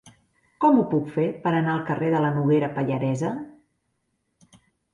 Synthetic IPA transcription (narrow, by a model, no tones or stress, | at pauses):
kɔmupukfepəɾənaəlˠkəreðələnuɣ̞eɾəpəʎəɾɛzə